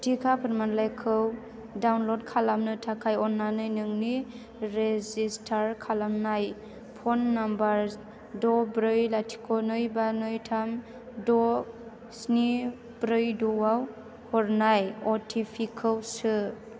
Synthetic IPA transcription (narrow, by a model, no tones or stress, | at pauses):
tʰikʰapʰɯɾmanlajkʰɯw | dawnlɔd̚kʰalamnɯtʰakʰajɔnːanɯjnɯŋni | ɾezistʰaɾkʰalamnaj | pʰɔnːambaɾ | dɔbɾɯjlatʰi̥kʰɔnɯjbanɯjtʰam | dɔ | sni | bɾɯjdɔwaw | hɔɾnajɔtʰipʰikʰɯwsɯ